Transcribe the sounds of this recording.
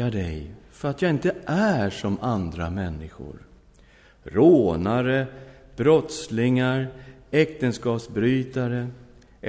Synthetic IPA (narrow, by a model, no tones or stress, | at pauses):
aɖɛjfœɾat̪jaːɪnt̪əʔæʂɔmand̪ɾa̰mɛnːɪɧʊ̰ɾ | ɾoːnaɾə | b̥ɾɔt̪slɪŋaɾɛk̚t̪ənskɑːpsbɾyːt̪aɾə